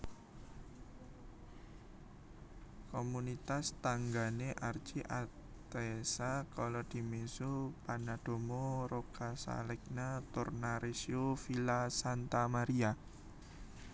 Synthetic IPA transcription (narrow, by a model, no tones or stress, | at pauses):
komunit̪ast̪aŋɡaneʔar̥t͡ʃiʔa | t̪esakalɔd̪̥i̤mesupanad̪̥o̤mɔɾokasa̰lɪk̚nat̪ʊrnaɾesiofilasant̪amaɾia